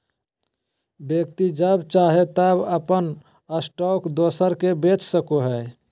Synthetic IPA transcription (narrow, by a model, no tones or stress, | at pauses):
bjək̚t̪id͡ʒəbt͡ʃaɦet̪əbəpən | əsʈɔkd̪oːsəɾkebet͡ʃsəkoɦəe